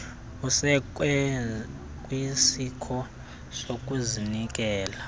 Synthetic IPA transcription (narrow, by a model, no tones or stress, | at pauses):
usɛkɛ | kʼwisikʰɔ | sokʼuzinik̬ʼɛːla